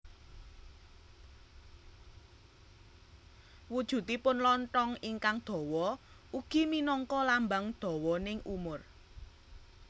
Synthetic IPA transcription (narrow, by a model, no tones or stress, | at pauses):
wud̥ʒ̥ṳt̪ipʊnlɔnʈɔŋiŋkaŋd̪̥ɔ̤wɔ | uɡ̥i̤minɔŋkɔlambaŋd̪̥ɔ̤wɔnɪŋʔṵmʊr